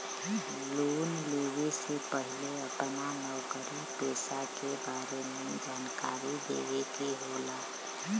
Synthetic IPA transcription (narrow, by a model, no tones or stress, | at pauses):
loːnleːwesepəɦɪleəpnanəwkəɾipeːsakebaːɾemed͡ʒaːnkaːɾid̪ḛwek̪eɦola